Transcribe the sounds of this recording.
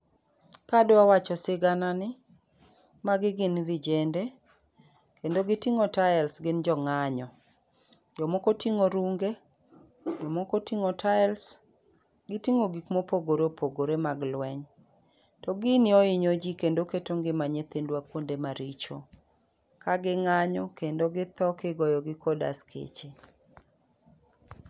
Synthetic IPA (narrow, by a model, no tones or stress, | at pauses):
kadoawat͡ʃɔsɪɡananɪ | maɡɪɡɪnvɪd͡ʒende | kendoɡɪtiŋotaɛlsɡɪnd͡ʒɔŋaɲɔ | d͡ʒɔmɔkotiŋoɾuŋɡe | d͡ʒɔmɔkotiŋotʰaɛls | ɡɪtiŋoɡikmopoɡoɾeopʰoɡoɾemaɡlwɛɲ | tɔɡɪnɪɔɪɲod͡ʒikendoketoŋɡɪmaɲet̪endwakwondemaɾit͡ʃo | kaɡɪŋaɲɔkendoɡɪt̪ɔkeɡɔjɔɡɪkɔda̰skʰḛt͡ʃe